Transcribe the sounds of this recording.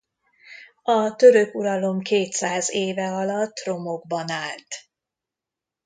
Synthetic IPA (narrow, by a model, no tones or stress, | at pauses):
ɒt̪ø̞ɾøkuɾɒlo̞mkeːt̪saːzeːvɛɒlɒt̪ːro̞mo̞ɡbɒnaːlt̪